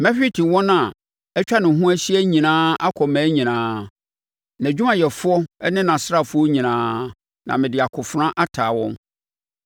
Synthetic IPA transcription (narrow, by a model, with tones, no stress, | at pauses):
mɛ̃˦ɕᶣi˦tʰĩ˨wɔ̃˦nã˨ | ɛ˦t͡ɕᶣa˦nʊ̃˨ɦũ˦æ˦ɕi˦æ˦ɲĩ˨nãː˦a˦kʰɔ˨mæ̃ː˨˦ɲĩ˨nãː˦ | næ̃˨d͡ʑᶣu˦mã˨jɛ˨fʊ˦ɔ˦ɛ˦nɪ̃˦nã˨sɾa˦˨fʊ˦ɔ˦ɲĩ˨nãː˦ | nã̰˨mɪ̃˨dɪ˨a˨kʰʊ˨fɾã˦ʔa˦tʰaː˨wɔ̰̃˦m